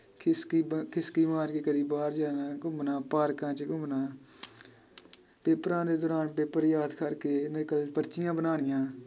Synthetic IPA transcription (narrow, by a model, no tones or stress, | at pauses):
kʰskikʰɪskiːmaːɾkeːkəd̪iːbaːɾd͡ʒaːnãːkʊ̃bnãːpaːɾkãːt͡ʃəkʊ̃mnãː | peːpɾãːd̪eːd̪ɔːɾaːnpeːpəɾjaːd̪kʰəɾkeːnekəlpəɾt͡ʃɪjãːbənaːnɪjãː